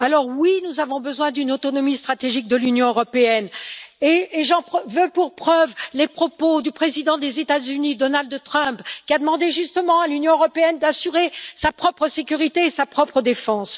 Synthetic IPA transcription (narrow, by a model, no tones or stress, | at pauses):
alɔʁwinuzavɔ̃bəzwɛ̃d̪ynot̪ɔnɔmist̪χat̪eʒik̚d̪əlynjɔ̃øʁɔpeɛneːʒɑ̃pχvøpuʁpχœvlepχɔpod̪ypχezid̪ɑ̃d̪ezet̪azynid̪ɔnald̪t̪χœ̃pkʲiad̪əmɑ̃d̪eʒyst̪əmɑ̃alynjɔ̃øʁɔpeɛnd̪asyʁesapχɔpχəsekʲyʁit̪eːsapχɔpχəd̪efɑ̃s